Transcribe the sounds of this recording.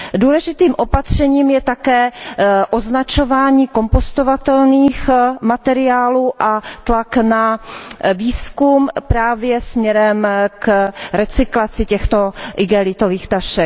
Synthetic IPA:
duːlɛʒɪt̪iːmʔo̞pat̪r̝̥ɛɲiːmjɛt̪akɛːʔo̞znat͡ʃo̞vaːɲiːko̞mpost̪o̞vat̪ɛlniːxmat̪ɛɾɪaːluːʔat̪lakna | viːskumpɾaːvjɛsmɲɛɾɛmkɾɛt͡sɪklat͡sɪcɛxt̪o̞ʔɪɡɛlɪt̪oviːxt̪aʃɛk

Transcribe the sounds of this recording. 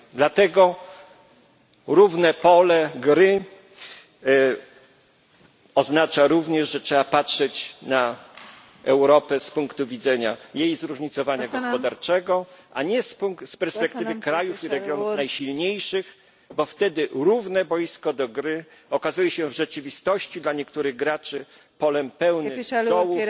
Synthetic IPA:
d̪lat̪ɛɡɔ | ɾuvnɛpɔlɛɡɾɘ | ɔznat͡ʂaɾuvɲɛʐʐɛtʂɛapatʂɛt͡ɕna | ʔɛwɾɔpɛspuŋkt̪uvʲidzɛɲajejzɾuʐɲit̪sɔvaɲaɡɔspɔd̪aɾt͡ʂɛɡɔʔaɲɛspuŋk̪spɛɾspɛkt̪ɘvɘkɾajufiɾɛɡjɔnufnajɕilɲejʂɘx | bɔft̪ɛd̪ɘɾuvnɛbɔjiskɔd̪ɔɡɾɘɔkazujɛɕɛvʐɛt͡ʂɘvʲist̪ɔɕt͡ɕid̪laɲɛkt̪uɾɘɣɡɾat͡ʂɘ | pɔlɛmpɛwnɪɔwuf

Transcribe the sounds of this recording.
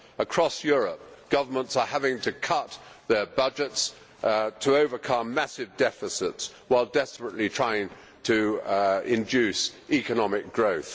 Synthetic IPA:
əkʰɹ̥ɔsjɔɹəp̚ɡ̥ʌvə˞mə̃ntsəhævɪ̃ŋtʰɨkʰʌt̪̚ðə˞bʌd͡ʒɪts | tʰəoʊvə˞kʰʌ̃mːæsɪvdɛfɨsɪtswaɪlˠdɛspɹəʔlitʰɹ̥aɪɪ̃ŋ | tʰə | ɪ̃nd͡ʒʉsikənɑmɪk̚ɡ̥ɹoʊθ

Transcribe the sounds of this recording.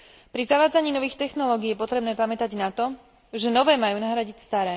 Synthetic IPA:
pɾizaʋaːd͡zaɲiːnɔʋiːxt̪ɛxnɔlɔːɡiːjɛpɔt̪ɾɛbnɛːpamɛt̪aɟnat̪ɔ | ʒɛnɔʋɛːmajuːnaɦɾaɟicst̪aɾɛː

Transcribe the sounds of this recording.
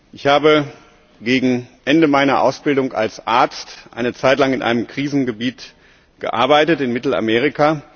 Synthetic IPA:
ʔɪçhaːbə | ɡeːɡŋ̩ʔɛndəmaɪnɐʔaʊsb̥ɪldʊŋa̰lsʔaɐt͡stʔa̰ɪnət͡saɪtlaŋɪnʔa̰ɪnəmkʁ̥iːzn̩ɡəbiːt | ɡ̥ə̰ʔa̰ɐbaɪtətɪnmɪtl̩a̰meːʁ̞ɪka

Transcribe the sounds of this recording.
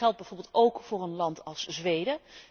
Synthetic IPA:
ɛlˠd̚bɛjvoːɹbɪːlˠtowkfʊːrənlɑntɑlˠszʋejdə

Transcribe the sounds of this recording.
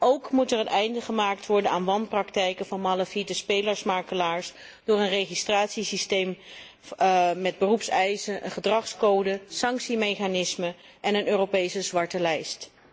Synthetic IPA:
ʔowkmutɛɹənɛjndəχəmaːk̚tʋɔɹdənaːnʋɑnprɑktɛjkəvɑnmɑləfidəspejləɹsmaːɹkəlaːɹs | d̥ʊːɹənrejχistraːtsisistejm | mɛd̚bərupsɛjzəʔə̰nχədrɑχskowdəsɑŋksimejχanɪsmə | ʔɛnənøːrowpejsəzʋɑɹtəlɛjst

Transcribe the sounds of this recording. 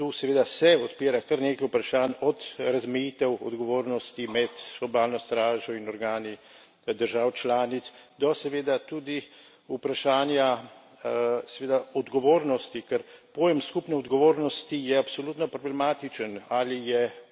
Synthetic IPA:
t̪usɛʋeːd̪asɛɔt̪piːɾakɐɾneːkajupɾaʃaːnɔt̪ɾazmɛjiːt̪ɛwɔ̰d̪ɡɔʋoːɾnɔst̪imɛt̪ɡɔbaːlnɔst̪ɾaːʒɔinɔɾɡaːni | d̪əɾʒaːwt͡ʃlaːnit̪sd̪ɔsɛʋeːd̪at̪uːd̪i | upɾaʃaːnja | sɛʋeːd̪aɔd̪ɡɔʋoːɾnɔst̪ikɛɾpoːjɛmskupnɛɔd̪ɡɔʋoːɾnɔst̪ijɛapsɔluːt̪nɔpɾɔblɛmaːt̪it͡ʃənalijɛ

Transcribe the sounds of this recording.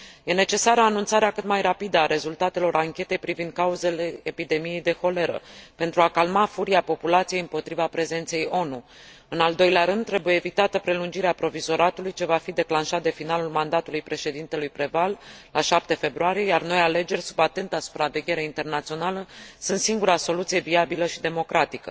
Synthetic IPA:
je̞ne̞t͡ʃe̞saɾəanunt̪saɾeakɨt̪majrapid̪əaɾe̞zult̪at̪e̞lo̞ɾaŋkʲe̞t̪e̞jpɾivind̪̚kauze̞le̞ːpid̪e̞mije̞jd̪e̞xo̞le̞ɾə̰pe̞nt̪ɾuakalmafuɾiapo̞pulat̪sije̞jɨmpo̞t̪ɾivapɾe̞ze̞nt̪se̞jo̞nu | ɨnald̪o̞jleaɾɨnd̪̚t̪ɾe̞buje̞ːvit̪at̪əpɾe̞lund͡ʒiɾeapɾo̞vizo̞ɾat̪ulujt͡ʃe̞vafid̪e̞klanʃat̪̚d̪efinalulmand̪at̪ulujpɾe̞ʃe̞d̪int̪e̞lujpɾevallaʃap̚t̪e̞fe̞bɾuaɾijejarno̞jale̞d͡ʒe̞rʲsubat̪e̞nt̪asu̥pɾave̞ɡʲe̞ɾeint̪e̞rnat̪sio̞naləsunt̪siŋɡuɾaso̞lut̪sije̞viabiləʃid̪e̞mo̞kɾʔat̪ikə̰

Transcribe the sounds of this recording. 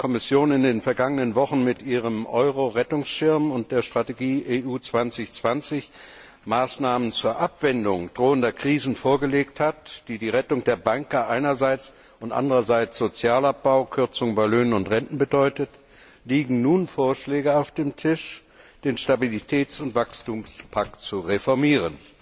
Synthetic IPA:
kʰɔmɪsjoːnɪndeːnfɛɐɡaŋənənvɔχn̩mɪtʔiːʁəmʔɔʏʁoʁɛtʊŋsʃɪɐmʊnt̚d̥eːɐʃtʁ̥ateɡiːʔeːʔuːt͡sv̥ant͡sɪçt͡sv̥ant͡sɪç | maːsnaːmənt͡suːɐʔapv̥ɛndʊŋd̥ʁoːəndɐkʁ̥iːzn̩foːɐɡəleːkthatd̥iːdiːʁɛtʊŋdeːɐbaŋkɐʔaɪnɐzaɪt͡s | ʔʊntʔa̰ndəʁɐzaɪt͡sz̥ot͡sjaːlap̚b̥aʊkʰʏɐt͡sʊŋbaɪløːnənʊntʁɛntn̩bədɔʏtət | liːɡŋ̩nuːnfoːɐʃlɛːɡəaʊfd̥eːmtʰɪʃ | d̥eːnʃtabilitʰɛːt͡sʊntv̥akstuːmspʰaktt͡suʁefɔɐmiːʁ̞ən

